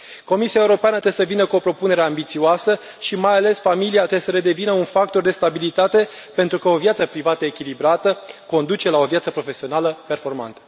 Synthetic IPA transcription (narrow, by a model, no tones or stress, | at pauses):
ko̞misiaeuɾo̞peanət̪ɾeesəvinəkuo̞pɾo̞pune̞ɾe̞ambit̪sioasə | ʃimajale̞sfamiliat̪ɾesəɾe̞d̪e̞vinəunfak̚t̪o̞rd̪e̞st̪abilit̪at̪e̞ | pe̞nt̪ɾukəo̞vjat̪səpɾivat̪əekʲilibɾat̪əko̞nd̪ut͡ʃe̞lao̞vjat̪səpɾo̞fe̞sio̞naləpe̞rfo̞rma̰nt̪ə̥